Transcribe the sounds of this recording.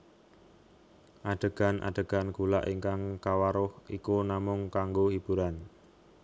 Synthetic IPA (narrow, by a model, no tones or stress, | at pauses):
ʔaɖ̥ə̤ɡ̥a̤nʔa̰ɖ̥ə̤ɡ̥a̤nkula̰ʔiŋkaŋkawaɾʊhikunamʊŋkaŋɡohib̥uɾan